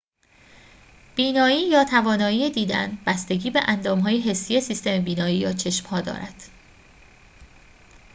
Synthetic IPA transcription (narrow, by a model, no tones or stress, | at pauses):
b̥iːnɒːiːjɒːt̪ʰævɒːnɒːiːjed̪iːd̪æ̰nb̥æst̪e̞ɟiːbeʔænd̪ɒːmɦɒːjeɦe̞sːije̞sist̪e̞mebiːnɒːiːjɒːt͡ʃʰe̞ʃmhɒːd̪ɒ̰ːɾʔæ̰d̪̥